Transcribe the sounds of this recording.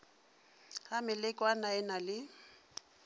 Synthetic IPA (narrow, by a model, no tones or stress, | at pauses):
hamɪlɪkʼwanaɛnalɪ